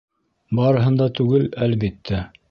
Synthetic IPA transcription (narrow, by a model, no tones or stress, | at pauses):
bɑɾɤ̆ɦɤ̆nd̪ɑt̪ʉɡɘlælβit̪ːæ